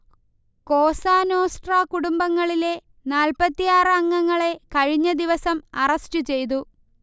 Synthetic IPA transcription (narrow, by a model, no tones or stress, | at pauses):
ko̞ːsaːnoːsʈraːkuɽumbɐŋːɐɭile̞ | naːlpɐt̪ːijaːrɨɐŋːɐŋːɐɭe̞kɐɻiɲːɐd̪iʋɐsɐmɐrɐsʈɨt͡ɕe̞jt̪̬u